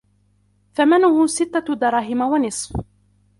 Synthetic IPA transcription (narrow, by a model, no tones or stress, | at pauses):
θamanʊhʊsɪt̪ːad̪ɑɾˤɑːɦɪmawanɪsˤf